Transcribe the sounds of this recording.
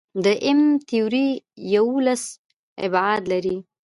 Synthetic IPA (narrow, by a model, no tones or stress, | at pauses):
d̪əʔɪmt̪ijuɾijawulas | ɪ̰bad̪laɾi